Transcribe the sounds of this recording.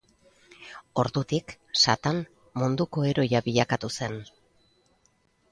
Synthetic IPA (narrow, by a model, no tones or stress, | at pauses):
o̞ɾd̪ut̪ik | sat̪an | mund̪uko̞e̞ɾo̞jaβiʎakat̪use̞n